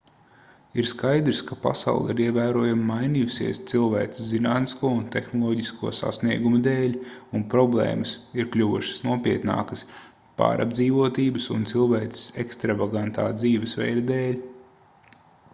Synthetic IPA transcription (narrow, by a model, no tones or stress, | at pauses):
iɾskajd̪ɾskapa̰sa̰wlˠiɾiɛvæːɾuɔjammajnijusiɛst̪silˠvæːizinaːt̪niskuɔunt̪exnɔlˠɔɟiskuɔsa̰sniɛɡumud̪eːlʲunpɾɔblˠɛ̰ːmɐsiɾklʲuʋuʃə̥snuɔpiɛt̪na̰ːkəs | pa̰ːɾʔa̰bd̪ziːʋuɔt̪iːbəsunt̪silˠvæːt̪ɪ̥sekst̪ɾavaɡant̪a̰ːd̪ziːʋɪsvɛ̰jɾɐd̪eːlʲ